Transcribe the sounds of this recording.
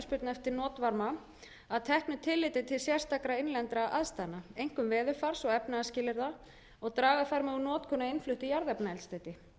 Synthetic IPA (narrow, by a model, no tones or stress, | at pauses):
spʏɾt̪nɛft̪ɪɾnɔːt̪vaɾma | aðt̪ʰɛhknʏt̪ʰɪlːɪːt̪ɪt̪ʰɪlsjɛr̥st̪ʰakɾaɪjnlɛnt̪ɾaʔa̰ðst̪aːjnaejŋ̥kʏmvɛːðʏɾfar̥sɔɣɛpnaascɪːlɪɾða | ɔɣt̪ɾaːɣaðfaɾmɛɣunɔːt̪kʰɔnːaɪnflʏht̪ɪjaɾðɛpnaɛlst̪aːjt̪ɪ